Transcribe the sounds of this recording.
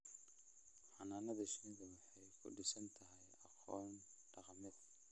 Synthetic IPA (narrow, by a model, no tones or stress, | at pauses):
ħɑnaːnɐðɐʃiɡɐwɑħɑjkʰʊ̰ɖɪsɐnt̪ʰɐɦɛjɑqɔːn | ɖ̥ɑqmɪð